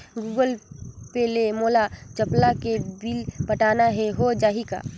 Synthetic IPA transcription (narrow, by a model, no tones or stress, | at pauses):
ɡuːɡəlpelemoːlat͡ʃəplaked̪ilpəʈaːnaɦɛɦod͡ʒaːɦika̰ː